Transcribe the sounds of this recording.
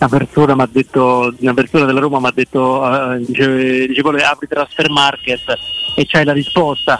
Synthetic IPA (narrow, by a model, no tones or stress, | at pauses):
napersoːnamad̪ːet̪ːounapertsoːnad̪elːaɾoːmamad̪ːet̪ːod̪iːt͡ʃed̪iːt͡ʃekɔlːaːpɾit̪ɾasfermarket̪ːet͡ʃːajlaɾispɔst̪a